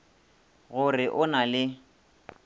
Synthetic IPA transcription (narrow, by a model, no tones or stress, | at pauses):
ɣʊrɪʔʊnalɪ